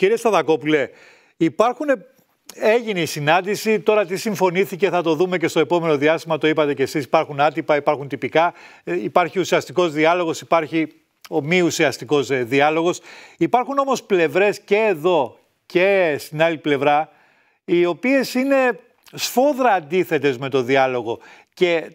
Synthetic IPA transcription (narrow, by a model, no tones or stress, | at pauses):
ciɾiest̪ɐðɐko̞pule̞ | ipɐɾxune | e̞ʝinisinɐnd̪isit̪o̞ɾɐt̪̬isiɱfo̞niθice̞θɐt̪o̞ðume̞ce̞st̪o̞epo̞me̞no̞ðiɐst̪imɐt̪o̞ipɐt̪e̞ce̞sisi̥pɐɾxunɐt̪ipɐipɐɾxunt̪ipikɐ | ipɐɾçiusiɐst̪iko̞zðiɐlo̞ɣo̞sipɐɾçi | o̞miusiɐst̪iko̞zðiɐlo̞ɣo̞sipɐɾxuno̞mo̞sple̞vɾe̞sce̞ːðo̞ | ce̞st̪inɐliple̞vɾɐ | io̞pie̞sine̞ | sfo̞ðɾɐːnd̪iθe̞t̪e̞zme̞t̪o̞ðiɐlo̞ɣo̞ | ce̞